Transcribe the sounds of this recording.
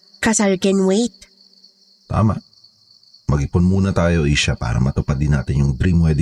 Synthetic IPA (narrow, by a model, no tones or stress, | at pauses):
kɐsaɹkɛnwejt̪̚ | t̪a̰ːmɐ̰ʔ | mɐɡɪpʊnmuːnɐt̪aːjo̞ʔiʃapa̰ːɾɐ̰mɐt̪ʊpad̪ɪnːaːt̪ɪnjʊŋd̪ɾimwɛd̪ɪ